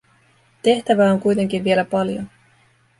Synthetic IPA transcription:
t̪e̞ht̪æʋæːoŋkujt̪e̞ŋk̟inʋie̞læpɑljo̞̰

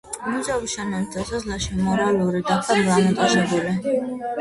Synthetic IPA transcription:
muzabisʃanɛnit̪ʰasɔzlˠaʃimɔɾalˠuɾid̪apʰailamit̪ʼaʒɛbuli

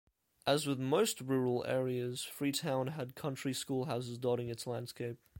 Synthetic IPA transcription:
ʔəzwɪðməʊst̚ɹuɹəlˠɛ̰ːɹiəz̥fɹitʰãʊ̃nəd̚kʰʌ̃nt͡ʃɹ̥iskulˠɦaʊsɪzdɔɾɪ̃ŋɨtslæ̃nd̥skeɪp̚

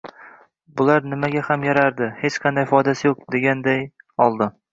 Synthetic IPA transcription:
bʊlaɾnɪmaɡʲahamjaɾaɾd̪ɪhe̞t͡ʃqʰɑnd̪ajfɒjd̪asɪjoq̚d̪e̞ɡʲand̪aj | ɒlˠd̪ɪ

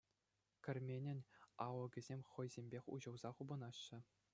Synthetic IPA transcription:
kʲɘ̆rʲmʲenʲɘ̆nʲɑʋɤ̆ɡʲɘ̆zʲemʲχɤ̆jzʲemʲbʲexʲṵʑɤ̆wzɑχubɤ̆nɑɕːɘ̆

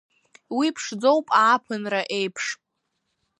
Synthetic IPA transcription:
wipʰʂd͡zo̞wpʼaːpʰɨnraʔejpʰʂ

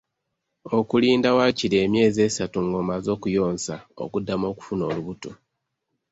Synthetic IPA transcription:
o̞kuliːndawaciɾe̞ːmje̞ːze̞ːsatuŋɡoːmazo̞ːkujo̞ːnsao̞̰kudːamo̞ːku̥funo̞ːluβuto

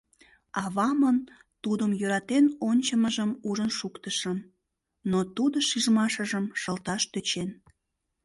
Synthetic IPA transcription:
ɑβɑmən | t̪ud̪əmjøɾɑt̪enonʲt͡ɕəməʒəmuʒənʃukt̪əʃəm | not̪ud̪oʃiʒmɑʃəʒəmʃəlt̪ɑʃt̪øt͡ɕen

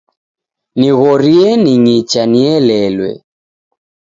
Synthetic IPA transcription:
niɣɔɾiɛniɲit͡ʃaniɛlɛlwɛ̰

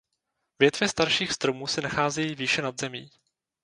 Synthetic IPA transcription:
vjɛt̪vjɛst̪aɾʃiːxst̪ɾo̞muːsɛnaxaːzɛjiːviːʃɛnad̪zɛmḭː

